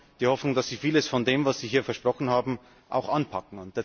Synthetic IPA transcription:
d̥iːhɔfnʊŋd̥asz̥iːfiːləsfɔndeːmvasz̥iːɦiːɐfɛɐʃpʁ̥ɔxn̩haːbm̩ | ʔa̰ʊxʔanpʰakŋ̩ʊnt̚d̥eːɐ

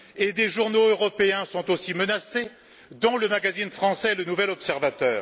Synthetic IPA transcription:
ed̪eʒuʁnoøʁɔpeɛ̃sɔ̃t̪osimənase | d̪ɑ̃ləmaɡazinfχɑ̃sɛelənuvɛlɔpsɛʁvat̪œːʁ

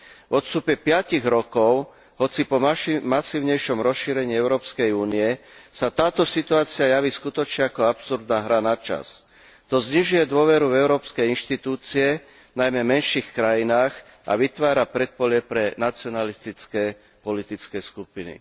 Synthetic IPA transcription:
vɔt̪st̪upɛpɪaciɣɾɔkɔʊ | ɦɔt͡sipɔamasiːʊɲɛjʃɔmɾɔsʃiːɾɛɲiːɛʊɾɔːpskɛjuːnijɛsat̪aːt̪ɔsit̪uaːt͡sɪajaʋiːskut̪ɔt͡ʃɲɛakɔapsuɾd̪naːɦɾanat͡ʃa̰s | t̪ɔzɲiʒujɛd̪ʊɔʋɛɾuvɛʊɾɔːpskɛjinʃt̪it̪uːt͡siɛ | najmɛmɛnʃiːxkɾajinaːx | ʔa̰ʋit̪ʋaːɾapɾɛt̪̚pɔʎɛpɾɛnat͡siɔnalist̪it͡skɛː | pɔlit̪it͡skɛːskupinḭ

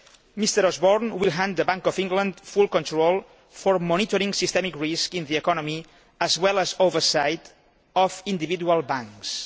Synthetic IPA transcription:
mist̪əɾɔzbɔɾnwilˠɦãnd̪əbãŋkɔvĩŋɡlə̃nd̪fulˠkɔ̃nt̪ɾolˠ | fɔɾmɔnit̪ɔɾĩŋsist̪ɛmikɹiskĩnðiɛkɔnɔ̃mi | əzwɛlˠəzovəɾsajt̪ | ɔfĩnd̪iβid̪ualˠbãŋks

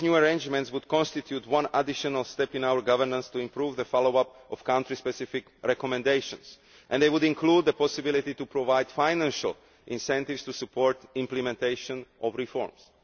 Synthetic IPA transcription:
njuəɹẽjnd͡ʒmɛ̃ntswud̪̚kɔ̃nst̪it̪ʰjut̪wãnadɪʃɔ̃nalst̪ɛpĩnawəɹɡavə˞nãnst̪uĩmpɾuvðəfaloʊapɔfkãʊ̃ntɹispɛsɪfɪkɹɛkɔmɛ̃ndeɪʃɔ̰̃ns | ʔɛ̰̃nd̪ejwud̪ĩnklud̪̚ðəpɔsɪbilit̪it̪upɹɔvaɪjd̥̪faɪnæ̃nʃa̰lˠ | ʔĩnsɛ̃nt̪ivst̪usupʰɔɹt̪ɪ̃mplɛmɛ̃nt̪eɪʃɔ̃nʔɔvɹifɔ̰ɹms

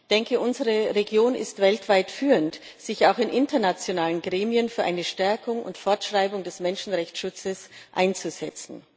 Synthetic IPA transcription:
d̥ɛŋkəʔʊnzəʁəʁeɡjoːnɪ̰stv̥ɛltv̥aɪtfyːʁənt | z̥ɪçaʊxɪnʔɪntɐnat͡sjonaːlənɡʁeːmiənfyːɐʔa̰ɪnəʃtɛɐkʊŋʊ̰ntfɔɐtʃʁ̥aɪbʊŋdɛsmɛnʃn̩ʁɛçt͡sʃʊt͡səsʔa̰ɪnt͡suzɛt͡sn̩

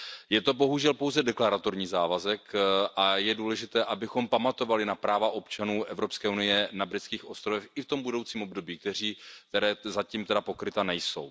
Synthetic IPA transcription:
jɛt̪o̞bo̞ɦuʒɛlpo̞wzɛdɛklaɾat̪o̞ɾɲiːzaːvazɛkʔajɛduːlɛʒɪt̪ɛːʔabɪxo̞mpamat̪o̞valɪnapɾaːvaʔo̞pt͡ʃanuːʔɛvɾo̞pskɛːunɪjɛnabɾɪt͡skiːxo̞st̪ɾovɛxɪft̪o̞mbudo̞wt͡siːmo̞bdo̞biːk̚t̪ɛr̝iːt̪ɛɾɛːzaciːmt̪ɛdapo̞kɾɪt̪anɛjso̞̰w

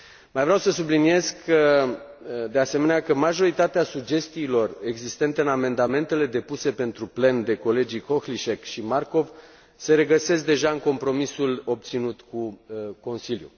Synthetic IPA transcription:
majvɾeawsəs̬ublinije̞zkkʰə | d̪ease̞me̞neakəmaʒo̞ɾit̪at̪easud͡ʒe̞st̪iːlo̞re̞ɡzist̪e̞nt̪eɨname̞nd̪ame̞nt̪e̞le̞d̪e̞puse̞pe̞nt̪ɾuple̞nd̪e̞ko̞le̞d͡ʒijko̞xliʃekʃimarko̞v | se̞ɾe̞ɡəse̞sk̚d̪e̞ʒaɨŋko̞mpɾo̞misulo̞b̚t̪sinut̪kuko̞nsiljṵ

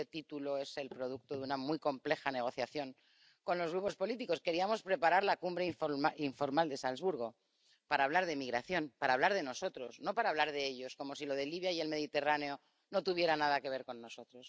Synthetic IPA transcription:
et̪it̪ulo̞e̞se̞lpɾo̞ð̞uk̚t̪oðunamwiko̞mple̞xane̞ɣ̞o̞θjaθjo̞ŋ | ko̞nlo̞zɣɾupo̞spo̞lit̪iko̞ske̞ɾiamo̞spɾe̞paɾaɾlakumbɾeiɱfiɱfo̞ɾmald̪e̞salzβuɾɣo̞ | paɾaːβlaɾðemiɣ̞ɾaθjo̞npaɾaːβ̞laɾðe̞no̞so̞t̪ɾo̞sno̞paɾaβ̞laɾðe̞eʎo̞sko̞mo̞silo̞ð̞e̞liβjaie̞lme̞ðit̪e̞rane̞o̞ | no̞t̪uβje̞ɾanað̞ake̞β̞e̞ɾko̞nːo̞so̞t̪ɾo̞s

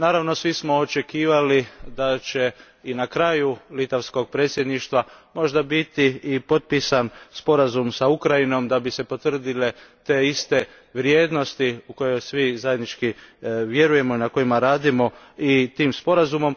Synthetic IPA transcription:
naːɾaʋno̞sʋismo̞ot͡ʃe̞kiːʋalid̪at͡ʃe̞ | inakɾaːjulit̪aʋsko̞ɡ̚pɾe̞ːt̪sje̞d̪niʃt̪ʋamo̞ʒd̪abit̪iːpo̞t̪̚piːsanspo̞ɾazumsaukɾajino̞md̪abise̞po̞t̪ʋr̩d̪ile̞t̪e̞ist̪e̞ | ʋɾje̞ːd̪nost̪iuko̞jo̞jsʋizaje̞d̪nit͡ʃkiʋje̞ɾuje̞mo̞inako̞imaɾaːd̪imo̞ | it̪iːmspo̞ɾazumo̞m

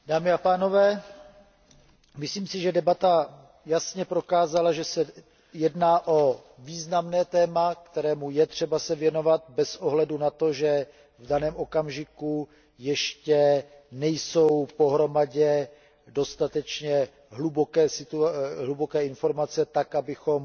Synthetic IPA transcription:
d̥aːmɪapaːno̞vɛː | mɪsliːmsɪʒɛdɛbat̪a | jasɲɛpɾo̞kaːzalaʒɛsɛ | jɛdnaːʔo̞viːznamnɛːt̪ɛːmakt̪ɛɾɛːmujɛt̪r̝̥ɛbasɛvjɛno̞vat̪̚bɛsʔo̞ɦlɛdunat̪o̞ʒɛ | vdanɛːmʔo̞kamʒɪku | jɛʃcɛ | nɛjso̞wpo̞ɦɾo̞maɟɛ | do̞st̪at̪ɛt͡ʃɲɛ | ɦlubokɛːsɪt̪uɦlubokɛːɪnfo̞ɾmat͡sɛt̪akʔabɪxo̞m

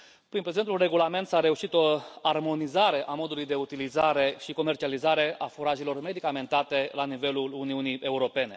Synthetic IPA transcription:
pɾinpɾeze̞nt̪ulre̞ɡulame̞nt̪saɾe̞uʃit̪o̞armo̞nizaɾe̞ʔamo̞d̪ulujd̪e̞ut̪ilizaɾe̞ʃiko̞me̞rt͡ʃializaɾe̞afuɾaʒelo̞rme̞d̪ikame̞nt̪at̪e̞lanive̞luluniunie̞uɾo̞pe̞ne̞̰

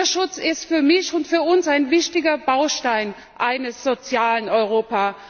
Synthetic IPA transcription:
ɐʃʊt͡sɪstfyːɐmɪçʊntfyːɐʊnsaɪnvɪçtɪɡɐbaʊʃtaɪn | ʔaɪnəsz̥ot͡sjaːlənɔʏʁoːpaː

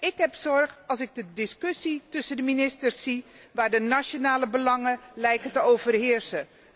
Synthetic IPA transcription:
ɪkɦɛpsɔɹχɑlˠsɪɡ̚dədɪskɵsitɵsəndəminɪstəɹsi | ʋaːɹdənaʃonaːləbəlɑŋəlɛjkətəowvərɦɪːɹsə

